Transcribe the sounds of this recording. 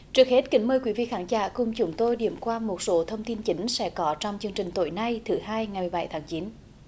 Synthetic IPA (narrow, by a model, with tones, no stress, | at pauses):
t͡ɕɨ˨˩ək̚he˦˥t̚kï˨˦ŋ̟məː˧jkwi˨˦vḭ˧˨xaː˨˦ŋza̰ː˧˩kʊ˨˩ŋ͡mt͡ɕʊ˨˦ŋ͡mt̪o˧jɗḭ˧˩əmkwaː˧mo˨˩t̚so˨˦t̪ʰə˧wŋ͡mt̪i˧nt͡ɕi˨˦ŋ̟sɛ̰˧˥kɔ˨˦t͡ɕɔ˧wŋ͡mt͡ɕɨ˧əŋt͡ɕï˨˩ŋ̟t̪o̰˧˩jna˧jt̪ʰɨ˨˩˦haː˧jŋa˨˩jmɨ˨˩jɓa˧˩jt̪ʰaː˨˦ŋt͡ɕi˨˦n